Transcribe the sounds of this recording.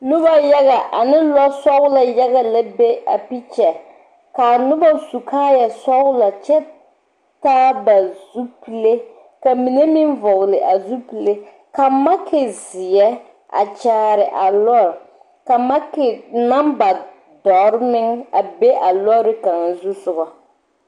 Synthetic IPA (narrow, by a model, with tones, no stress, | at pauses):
nʊ˦ba˦ja˦ɣa˨ʔa˨nɪ˦lɔ˦sɔ˦wla˨ja˦ɣa˦la˦be˦a̰˨pi˦t͡ʃɛ˨ | ka˨nʊ˦ba˦su˨kʰaː˦jɛ˨sɔ˦wla˨t͡ʃɛ˦ | taː˦ba˨zu˦pi˨le˦ | ka˨mi˨ne˦mi˦nvɔ˨ɣlɪ˨ʔa˨zu˦pi˨le˦ | ka˨ma˦kʰɪ˨zɪ˨jɛ˦ | a̰˨t͡ʃaː˦ɾɪ˨ʔa˨lɔ˦˨ɾ | ka˨ma˦kɪ˨na˦mba˨ | dɔ˨ɾnɪ˦ŋa˨be˦ʔa˨lɔ˦ɾɪ˦ka˨ŋ˦zu˦sʊ˨ɣɔ˨